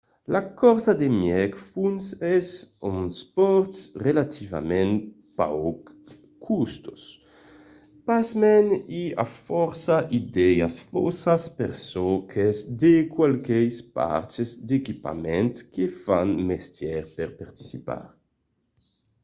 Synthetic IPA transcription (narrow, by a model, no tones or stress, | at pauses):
lakɔɾsad̪emjɛkfunsɛsuŋspɔɾt̪srelat̪ʰiva̰mẽn | pa̰wk | kʰːust̪o̥s | pasmɛnia̰fɔɾsaʔid̪ɛjasfo̰saspeɾsokʰezd̪ekwalkejspa̰ɾt͡ʃezd̪ekipa̰mẽnt̪kefanmest̪jɛɾpeɾpaɾt̪i̥sipa̰ɾ